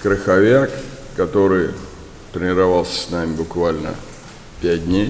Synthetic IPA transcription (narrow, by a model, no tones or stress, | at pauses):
kɾəxɐvʲakː | ɐt̪o̞ɾɨj | t̪ɾʲɪnʲɪɾɐvalˠsʲə̥sʲnamʲɪbʊkvalʲnə̰ | pʲæt̚ʲdʲnʲej